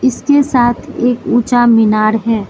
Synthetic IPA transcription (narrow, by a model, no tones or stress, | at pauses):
ɪskesaːt̪ʰeːkuːt͡ʃamɪnaːɾɦɛː